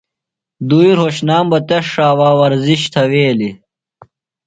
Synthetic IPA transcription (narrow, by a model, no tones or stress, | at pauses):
d̪uːiɾhoɕnaːmbɐt̪eʂːaːwaːwɐɾziɕt̪ʰɐweːli